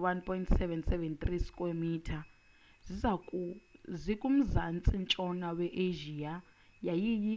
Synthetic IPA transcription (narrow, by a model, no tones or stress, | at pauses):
wanpʰʼɔintsɛvɛntsɛvɛnt̪riskʼomitʰa | z̥ʷizakzʷikʼum̩zant͡sʼint͡ʃʼɔnawɛʔeʒia | jajiji